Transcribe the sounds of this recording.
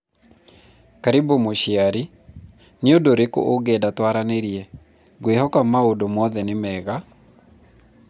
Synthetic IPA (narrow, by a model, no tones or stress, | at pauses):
kaɾibomoʃiaɾi | nɪodoɾeko̰ʔoɡedatwaɾaneɾjɛ | ɡwehɔkamaodomɔðɛnɪmɛɣa